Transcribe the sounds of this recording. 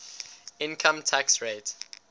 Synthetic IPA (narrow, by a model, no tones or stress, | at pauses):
ɪ̃nkʰə̃mtʰaksɹet